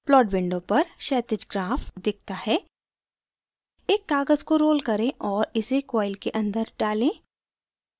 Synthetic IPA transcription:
plɔːʈbɪ̃ɳɖopɐɾʃɛːt̪ɪd͡ʒɡɾaːfd̪ɪk̚ʰt̪ahɛː | eːkːaːɡəzkoɾoːlkɐɾẽʔɔːɾɪsekɔːɪlkeʔɐ̃nd̪əɾɖaːlẽː

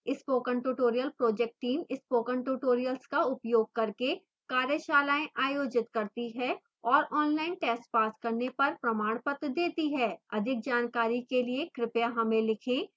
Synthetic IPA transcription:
ɪspoːkə̃ɳʈuʈoːɾijəlpɾoːd͡ʒɛk̚ʈːiːmɪspoːkə̃ɳʈuːʈoːɾijəlskaʊpjoːɡ̚kɐɾke | kaːɾjəʃaːlaːẽʔaːjoːd͡ʒɪt̪kɐɾt̪iɦɛː | ɔːɾɔːnlaːɪnʈɛːsʈ̚paːskɐɾnepɐɾpɾɐmaːɽ̃pət̪d̪eːt̪iɦɛːɐd̪ʱɪk̚d͡ʒaːnkaːɾikeliekɾɪpjaɦɐmẽlɪkʰẽː

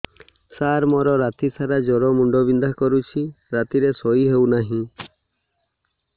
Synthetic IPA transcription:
saɾmɔɾɔɾat̪isaɾad͡ʒɔɾɔmuɳɖɔbind̪ʱakɔɾut͡ʃʰi | ɾat̪iɾesɔiɦewnaɦĩ

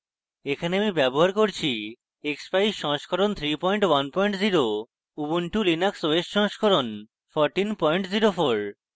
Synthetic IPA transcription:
ekʰaneamibɛboɦaɾkoɾt͡ɕʰi | ekspajʃɔŋʃkʰoɾont̪ʰɾipɔjɳʈwanpɔjɳʈziɾo | ubunʈulinaksowesʈʃɔ̃ŋʃkʰɔɾon | fɔɾʈinpɔjɳʈziɾofoɾ

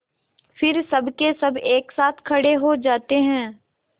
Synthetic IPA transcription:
fɪɾsɐbʱkesɐbeːksaːt̪ʰkʰɐɽeɦod͡ʒaːt̪eɦɛ̃ː

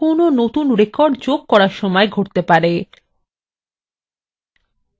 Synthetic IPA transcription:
ononot̪unɾekɔɾɖd͡ʑoɡ̚kɔɾaɾʃɔmɔeɡʱoʈt̪epaɾe

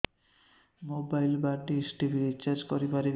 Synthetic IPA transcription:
mobajlbaɖesʈibiɾit͡ɕaɾd͡ʑkoɾipaɾe

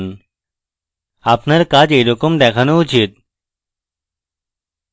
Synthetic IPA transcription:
n | apnəɾkad͡ʑeɾokomd̪ɛkʰanout͡ɕit̪̚

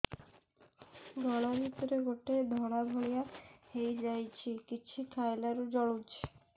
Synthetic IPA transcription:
d̪ʱɔɽabʱit̪oɾeɡʱoʈed̪ʱɔɽ̃abʱoɽijahejd͡ʑajt͡ɕʰikit͡ɕʰikʰajlaɾod͡ʑɔɽut͡ɕʰi̥

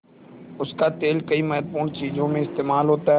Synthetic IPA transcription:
ʊskat̪eːlkəiːmɛːɾpuːnt͡ʃiːzõmẽɪst̪eːmaːlɦoːt̪aɦɛ

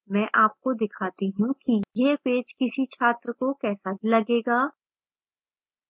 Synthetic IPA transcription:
mɛ̃ːʔaːp̚kod̪ɪkʰaːt̪iɦũkijepeːd͡ʒkɪsit͡ʃʰaːt̪ɾəkokɛːsabʱilɐɡeːɡaː

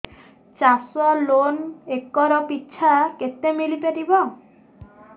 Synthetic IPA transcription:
t͡ʃasɔlonekɔɾɔpitːʃʰaket̪emilipeʈ̪ibɔ

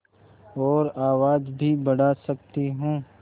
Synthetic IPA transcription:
ɔːɾaːwaːd͡ʒbʱibɐɽasɐk̚t̪iɦũː

